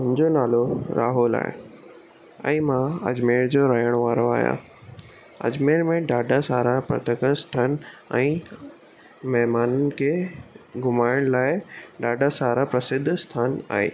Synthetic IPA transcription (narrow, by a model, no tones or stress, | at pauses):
ʊ̃ɲd͡ʑonaːloɾʔaːɦula̰ːɪ | ɛ̰̃ːmãɐ̰d͡ʑmeːɾd͡ʑoːɾaːjəɽ̃ʋaːɾoa̰ːɦja̰ | ɐ̰d͡ʑmeːɾmẽɖaːɖʱasaːɾapɾɐ̰t̪əkəsʈʰənɛ̃ː | mɛɦmaːnənɪ̆kʰeːɡʊmaːɪɽ̃laːɪɖaːɖʱasaːɾapɾɐsɪd̪ʱːst̪ʰaːna̰ːɦḛː